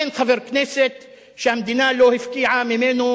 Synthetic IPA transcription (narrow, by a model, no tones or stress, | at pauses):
enxavɪɾkneːsɪt̪ | ʃamd̪inaːloːhɪfkiːʕamemeːnu